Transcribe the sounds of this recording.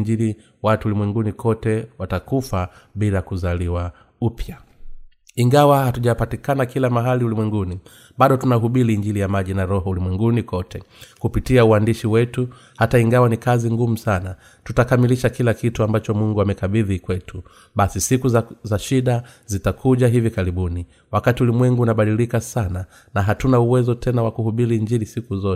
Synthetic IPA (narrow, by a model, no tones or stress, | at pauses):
ɲd͡ʒili | watulimwɛŋɡunikʰɔtɛwatakufaɓilakuzaliwa | upʰja | iŋɡawahatuʄapatikanakilamaɦaliulimwɛŋɡuni | ɓaɗɔtunaɦuɓiliːɲd͡ʒilijamaʄinaɾɔɦɔulimwɛŋɡunikɔtʰɛkupitiauandiʃiwɛtu | hataiŋɡawanikaziŋɡum̩sana | tutakamiliʃakilakituambat͡ʃɔmuŋɡuamɛkaɓiðikwɛtʰu | ɓasisikuzzaʃiɗazitakʰuʄaɦivikaɾiɓuni | wakatiulimwɛŋɡuːnaɓaɗilikasana | naɦatunauwɛzɔtʰɛnawakuhuɓiɾiːɲd͡ʒilisikuzɔt